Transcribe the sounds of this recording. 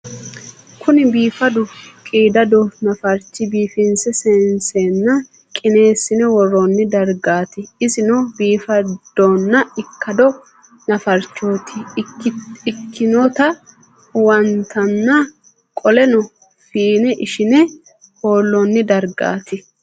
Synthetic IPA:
kʰʊnɪbiːfɐd̪ʊkʼiːd̪ɐd̪ɔnɐfɐɾt͡ʃːɪbiːfɪnsɛsɛnseːnːɐ | kʼɪne̞ːsːɪnɛwɔrːɔnːɪd̪ɐɾɡaːt̪ɪɪsɪnɔbiːfɐd̪̥oːnːɐɪkːɐd̪ɔ | nɐfɐɾt͡ʃːoːt̪ʰɪ | ɪkʰːɪnot̪ɐ | wɐnt̪ʰɐnːɐ | kʼɔlɛnɔ | fiːnɛʔɪʃɪnɛ | ho̞ːlːɔnːɪd̪ɐɾɡa̰ːt̪ɪ

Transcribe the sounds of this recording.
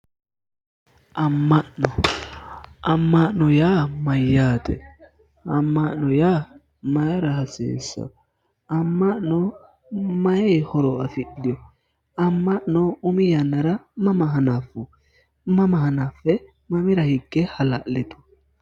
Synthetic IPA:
ʔamːaʔnɔ | amːaʔnɔjaːmajːaːt̪ɛ̰ | amːaʔnɔja | majaɾahasḭːsa̰ | amːaʔnɔ | majahɔɾɔafiɗijɔ | amːaʔnɔumijanːaɾamamaɦanafu | mamahanafɛ | mamiɾahiɡːɛhala̰ʔlɛt̪u̥

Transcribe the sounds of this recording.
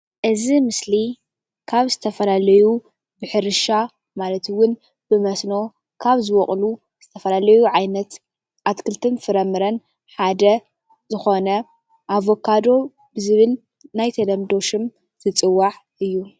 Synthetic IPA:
ʔɨzimɨsli | kʰaβzɨt̪ʰɐfɐlalɐju | bɨħɨɾɨʃa | malɐt̪wʊn | b̥ɨmɐsno̞ | kʰaβzɨwɔχʼlu | z̥ɨt̪ʰɐfɐlalɐjuʕajnɐt̪ | ʔat̪kʰɨlt̪ʰɨnfɨɾɐmɨɾɐn | ħad̪ɐ | zɨxo̞nɐ | ʔaβo̞kʰad̪o̞ | bɨzɨβɨnː | ajt̪ʰɐd̪ɐmd̪o̞ʃɪm | zʰɨt͡sʼɨwːaħʔɨjːu

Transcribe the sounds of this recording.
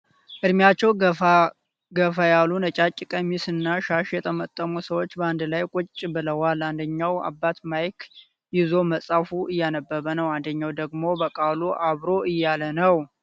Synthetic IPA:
ʔɨd̪mjat͡ʃːɛw | ɡəfajalunət͡ʃʼat͡ʃʼːɪkʼəmisɨnːaʃaʃjɛt̪ʰəmət̪ʼːəmusəwo̞t͡ʃːbəand̪lajkʼʊt͡ʃʼːbɨləwaland̪əɲːawa̰bːat̪majkʰ | jɪzo̞məsʼafuʔɨjːanəbːəβənəwand̪əɲːawd̪əɡmo̞bəkʼaluʔaβɾo̞ʔɨjːalənəw

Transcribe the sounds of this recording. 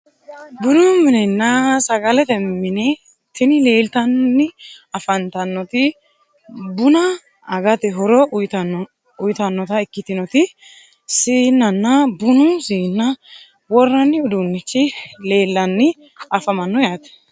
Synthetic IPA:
bʊd̪ʊmɪnɛnːɐsɐɡɐlɛt̪ɛmːɪnɪ | t̪ɪnɪle̞ːlt̪ɐnːɪɐfɐnt̪ɐnːɔt̪ɪ | bʊnɐː | ɡɐt̪ɛɦɔɾɔʊjt̪ː | ʊjt̪ɐnːɔt̪ɐɪkːɪt̪ɪnɔt̪ɪ | siːnːɐnːɐbʊnʊsiːnːɐ | wɔrːɐnːɪʊd̪unːɪt͡ʃːɪle̞ːlːɐnːɪ | ɐfɐmɐnːɔjat̪ɛ̥

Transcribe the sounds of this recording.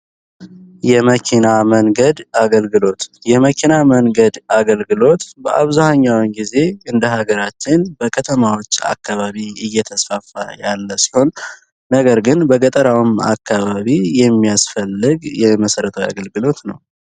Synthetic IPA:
jɛməkʰinaməŋɡəd̪aɡəlɡɨlo̞t̪jɛməkʰinaməŋɡəd̪aɡəlɡɨlo̞t̪bəʔa̰βzahɲːawɨnɡize̞ɨnd̪əɦaɡəɾat͡ʃːɪnbəkʰət̪ʰəmawo̞t͡ʃːa̰kːaβaβiɨjːɛt̪ʰəsfafajalːəsi̥ho̞nː | əɡəɾɡɨnbəɡət̪ʼəɾawɨma̰kːaβaβijɛmːijasfəlːɨɡjɛməsəɾət̪ʰəwja̰ɡəlɡɨlo̞t̪nəw

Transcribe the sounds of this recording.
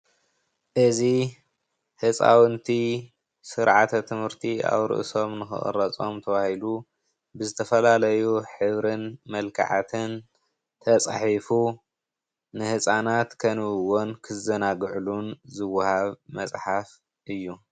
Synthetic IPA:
ʔɨzi | hɨt͡sʼa̰wɨnt̪ʰi | sɨɾʕat̪ʰɐt̪ʰɨmhɨɾt̪ʰia̰βɾɨ̰ʔɨ̰so̞mnɨxɨ̰ʔʼɨ̰ɾɐt͡sʼo̞̰mt̪ʰɐβahilu | bɨzɨt̪ʰɐfɐlalɐjuħɨβɾɨnmɐlkʰa̰ʕa̰t̪ʰɨn | t̪ʰɐt͡sʼaħifu | nɨhɨsʼanat̪kʰɐnɨwonkʰɨzɐnaɡʕlunzɨwːahaβmɐsʼħaf | ʔɨjːu

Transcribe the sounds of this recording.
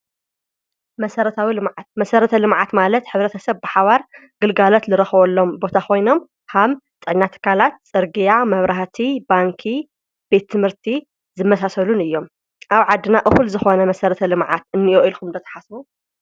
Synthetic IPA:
mɐsɐɾɐt̪ʰawilɨmʕat̪̚mɐsɐɾɐt̪ʰɐlɨmʕat̪malɐt̪ħɨβɾɐt̪ʰɐsɐβbɨħaβaɾ | ɡ̥ɨlɡalot̪lɨɾɐxβɐlːo̞mbo̞t̪ʰakʰo̞jno̞m | ham | t̪ʼːɨʕnːat̪ʰːɨ̥kʰalat̪̚t͡sʼɨɾɡijamɐβɾaht̪ʰibaŋkʰi | be̞t̪ʰːɨmhɨɾt̪ʰi | zɨmːɐsasɐlunɨjːo̞m | ʔaβʕad̪ːɨnaʔɨxulzɨxo̞nɐmɐsɐɾɐt̪ʰɐlɨmʕa̰t̪ɨnːioʔilkʰumd̪ɐt̪ʰɐ̥ħasbu

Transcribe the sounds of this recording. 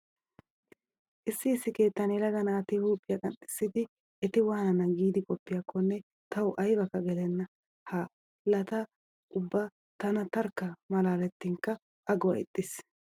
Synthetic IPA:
ʔɪsːɪɪsːɪke̞ːt̪ːɐnɛlɐɡɐnaːt̪ɪhuːpʼːɪjɐkʼɐnɗɪ̥sːɪd̪ɪ | ɛt̪ɪwaːnɐnɐɡiːd̪ɪkʼɔpːɪjɐkːɔnːɛ | t̪ɐwʊʔɐjbɐkːɐɡɛlɛnːɐ | hɐ | lɐt̪ɐ | ʊbːa | t̪ɐnɐt̪ɐɾkːɐmɐlaːlɛt̪ːɪŋkɐ | ʔɐɡɔwɐ̰ɪ̰t̪ʼːɪs

